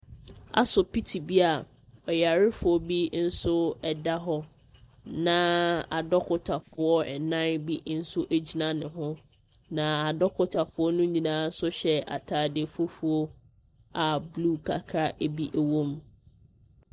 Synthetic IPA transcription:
a̰˨sʊ˨pi˦tʰi˨bi˦a˨ | ɔ˨ja˨ɾɪ˦fʊ˨ɔ˦bi˦n̩˦sʊ˦ɛ˨da˦ɦɔ˦ | nã˦a˨dɔ˦kʰʊ˨tʰa˨fʊ˨ɔ˦ɛ˨nã˦nbi˦n̩˦sʊ˦ʔæ˦d͡ʑi˨nã˦nɪ̃˨ɦʊ̃˦ | nã˨a˨dɔ˦kʰʊ˦tʰa˨fʊ˨˦ɔ˦nʊ̃˦ɲĩ˨nãː˨˦n̩˦sʊ˦ɕɛ˦a̰˨tʰaː˨de˨fo˦fu˨o˦ | a˨blu˦˨kʰa̰˨kʰa˦ʔe˨bi˦ʔæ˨wõ˦m

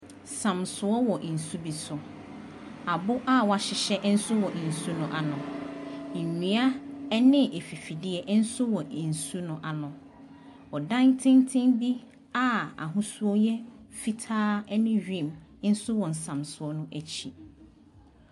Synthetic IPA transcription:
sã˨msʊ˨ɔ˦wɔ˨ʔn̩˨su˦bi˨sʊ˨ | a˨bʊ˦ʔa˦wɔ˨a˨ɕɪ˨ɕɛ˦ʔn̩˦sʊ˦wɔ˨ʔn̩˨su˦nʊ̃˦˨ʔa˨nʊ̃˨ | nĩ˨a˦nɪ̃˦ʔe˨fi˨fi˨dɪ˦ɛ˨ʔn̩˦sʊ˦wɔ˨n̩˨su˦nʊ̃˨ʔa˨nʊ̃˨ | ɔ˨dã˦ntʰɪ̃˦n˦tʰɪ̃˦nbi˦ | a˦˨a̰˨ɦʊ̃˦su˦ɔ˦jɛ˦fi˦tʰaː˦ɛ˦nɪ̃˦ɥᶣĩ˦˨m˦n̩˦sʊ˦wɔ̃˨n̩˨sã˨msʊ˨ɔ˦nʊ̃˦ʔæ˨t͡ɕʰi˨

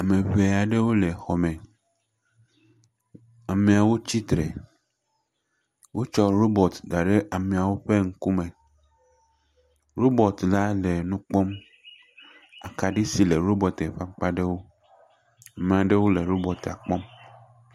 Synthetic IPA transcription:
a˨mẽ˨βe˨a˨ɖe˦wo˦le˨xɔ˨mẽ˨ | a˨me˨a˨wo˦t͡ɕi˦t̪ɾḛ˨ | wo˦t͡ʃɔ˦ɾo˦bɔ˨t̪da˨ɖe˦ʔa˨mẽ˨a˨wo˦ɸe˦ŋ̩˦ku˦mẽ˨ | ɾo˦bɔ˨t̪la˦le˨nũ˦k͡pɔ˦m | a˨ka˨ɖi˦si˨le˨ɾo˦bɔ˨t̪e˨ɸa˦k͡pa˦ɖe˦wo˦ | a˨mẽ˨a˨ɖe˦wo˦le˨ɾo˦bɔ˨t̪a̰˨k͡pɔ˦m

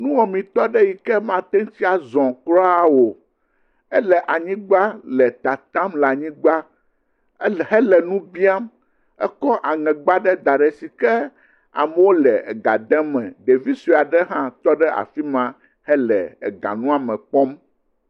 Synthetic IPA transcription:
nũ˦wɔ˨mĩ˨t̪ɔ˦ɖɛ˦ji˨kɛ˦mã˦t̪ɛ˦ŋ˦t͡ɕi˦a˨zɔ̃˨klɔ˦a˦wo˨ | ɛ˦lɛ˨ʔa˨ɲĩ˦ɡ͡ba˦lɛ˨t̪a˨t̪ã˦mla˨ɲĩ˦ɡ͡ba˦ | hɛ˦lɛ˨nũ˦bi˦a˦m | ɛ̰˦kɔ˦ʔa˨ŋɛ̃˨ɡ͡ba˦ɖɛ˦d̪a˨ɖɛ˨si˨kɛ˦ | a̰˨mɛ˨wo˦lɛ˨ɛ˨ɡa˨d̪ɛ̃˦mɛ̰̃˨d̪e˨vi˦si˨a˨ɖɛ˦ɦã˦t̪ɔ˦ɖɛ˦a̰˨fi˦mã˨˦ | hɛ˦lɛ̰˨ɛ̰˨ɡa̰˨nũ˦a˨mɛ̃˨k͡pɔ˦m

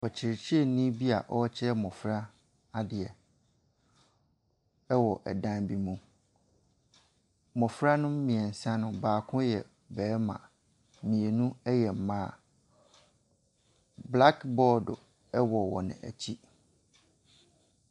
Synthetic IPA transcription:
ɔ˨t͡ɕʰɪ˨ɾt͡ɕʰi˦e˦˨nĩ˦bi˦a̰˨ʔɔ˦t͡ɕʰɪ˦ɾɛ˦mɔ̃˨fɾa˦ | a˦dɪ˨ɛ˨ | ɛ˦wɔ˨ʔɛ̰˨dã˦nbi˦mũ˨ | mɔ̃˨fɾa˦nʊ̃˦m˦mĩ˨ɛ˨n̩˨sã˦nʊ̃˨baː˨kʰʊ̃˦jɛ˨ | bɛː˨˦mã̰˨ | mĩ˨e˨nũ˦ɛ˦jɛ˨m̩˨mãː˦˨ | bla˦kbɔː˦dʊ̰˨ | ɛ˦wɔ˨wɔ̰˨nɪ̰̃˨ʔæ̰˨t͡ɕʰi˦

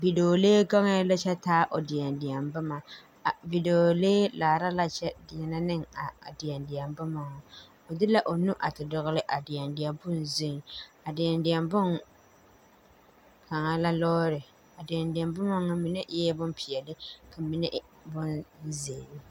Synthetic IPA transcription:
bi˨do˨leː˦ɡa˦ŋa˦la˦t͡ʃɛ˦taː˦ʔo˨dɪ˨a˨ndɪ˨a˨mbʊ˦ma˨ | vi˨do˨o˨leː˦laː˨ɾa˦la˦t͡ʃɛ˦dɪ˨jɛ˨na˦nɨ˦ŋa̰˨dɪ˨ɛ˨ndɪ˨ɛ˨mbʊ˦ma˨ŋɔ˨ | o˨dɪ˦la˦ʔo˨nu˦ʔa˨tɪ˨dʊ˨ɣʊ˦lɪ˦ʔa˨dɪ˨ja˨ndɪ˨ɛ˨bʊ˦n˨zɪ˦ŋ˨a˨dɪ˨ja˨ndɪ˨ɛ˨mbʊ˦n | ka˨ŋa˦la˦lɔː˦ɾɪ˨ | a˨dɪ˨a˨ndɪ˨a˨mbɨ˦ma˦ŋa˦mi˨˦nɛ˦ʔɛ˦bʊ˦m˦pʰi˨ɛ˨lɪ˦kʰa˨mi˨nɛ˦ʔ | bʊ˦nze˨bɪ˨

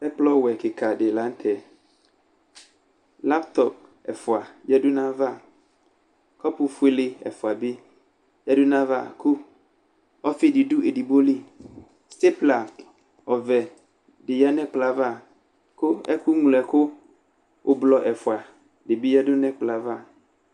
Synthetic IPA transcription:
ɛ˦plɔ˦wɛ˨kɪ˨kʰa˨dɪ˨la˨˦n̩˦tʰɛ˨ | la˦pt̪ʰɔ˨p̚ | ɛ˨fʊ˨a˨jɛ˦dʊ˦nã˦va˦˨ | kʰɔ˦pʰʊ˨fʊ˦e˦lɪ˦ɛ̰˨fʊ˨a˨bɪ˦ | jɛ˦dʊ˦nã˦va̰˦˨kʰʊ˦ | ɔ˦fɪ˦dɪ˨du˦e˨di˨bo˦li˦ | sɪ˦pla˨ | ɔ˨vɛ˨ | dɪ˨ja˦nɛ̃˦k͡pla˨va˦˨ | kʊ˦ɛ˦ku˦ŋu˨lɛ˨kʰʊ˦ | ʊ˨blɔ˨ʔɛ˨fʊ˨a˨ | dɪ˨bi˦ja˦dʊ˦nɛ̃˦k͡pla˦va˦˨

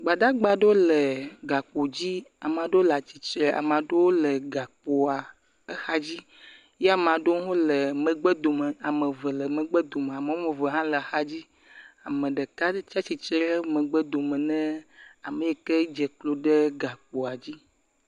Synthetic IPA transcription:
ɡ͡ba˨ɖa˦ɡ͡ba˨ɖo˦lə˨ɡa˨k͡po˨d͡ʑi˦a˨m˨ã˨ɖo˦la˨t͡ɕi˨t͡ʃɾe˨ʔa̰˨mã˨ɖo˦wo˦lə˨ɡa˨k͡po˨a˨ | ə˦xa˦d͡ʑi˦ | jɛ˦a˦˨mã˨ɖo˦ɦo˦lə˨mə̃˨ɡ͡bɛ˦d̪o˨mə˨a˨mə̃˨və˨lə˨mə̃˨ɡ͡bɛ˦d̪o˨m˨a˨mə̃˨˦me˨və˨ɦã˦lə˨xa˦d͡ʑi˦ | a˨mə̃˨ɖə˨ka˦t͡ʃa˦t͡ɕi˨t͡ʃɾe˦ɾɛ˦mə̃˨ɡ͡bə˦d̪o˨mə̃˨nɛ̃˦a˨mə̃˨jɛ˨ke˦d͡ʒɛ˨klo˨ɖe˦ɡa˨k͡po˨a˨d͡ʑi˦

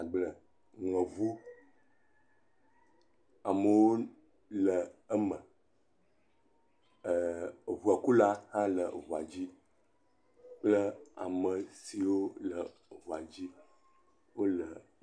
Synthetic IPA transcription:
a˨ɡ͡blə˨ | ŋə̃˨vu˦ | a˨mə˨wo˦ | lə˨ə˦mə̃˨ | vu˨a˨ku˦la˦hã˦lə˨vo˨a˨d͡ʑi˦ | k͡plə˦a̰˨mə˨si˨wo˦lə˨ | vo˨a˨d͡ʑi˦ | wo˦lə˨

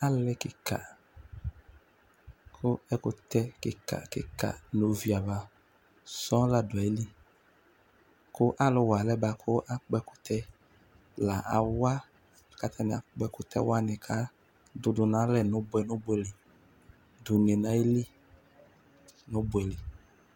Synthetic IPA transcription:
a˦lɛ˦kɪ˨ka̰˨ | kʰʊ˦ɛ˦kʊ˨t̪ɛ˦kɪ˨ka̰˨kɪ̰˨ka̰˨no˨vi˨a˨va˨ | sɔ̃˦la˨dʊ˨a˨e˦li˦ | kʊ˦ʔa˦lʊ˨wa˨lɛ˦ba˨kʰʊ˦ʔa˦k͡pɛ˦kʊ̥˨t̪ʰɛ˦ | la˨ʔa˨wa˦˨ | ka˨˦t̪ʰa˦nɪ˨a˨k͡pɛ˦kʊ˨t̪ʰɛ̰˦wa˦nɪ̃˨kʰa˨˦ | dʊ˨dʊ˨nã˦lɛ˦˨nʊ̃˨˦bʊ˦ɛ˨nʊ̃˦bɛ˨lɪ˨ | dʊ˨ŋe˨nã˦e˦li˦ | nʊ̃˦bɛ˨lɪ˨

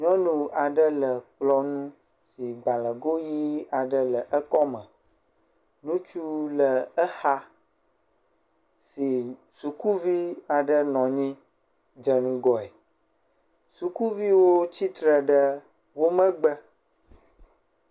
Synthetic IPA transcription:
ɲɔ̃˦nũ˨a˨ɖə˦lə˨k͡plɔ˦nũ˦ | si˨ɡ͡ba˨lə˨ɡo˦ji˦a˨ɖə˦lə˨ʔə˦kɔ˦mə̃˨ | nũ˦t͡ʃu˦lə˨ə˦xa˦ | si˨ | su˨ku˦vi˦a˨ɖə˦nɔ̃˨ɲĩ˦ | d͡ʒə˨nũ˦ɡɔ˨ɛ˨ | su˨ku˦vi˦wo˦t͡ɕi˦t̪ɾə˨ɖə˦ | wo˦mə̃˦ɡ͡bə˦

